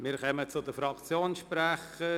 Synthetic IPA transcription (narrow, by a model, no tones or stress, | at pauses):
mɪːɾkœmət͡sʊd̪əfɾɑkt͡sjoːnʃpɾɛχə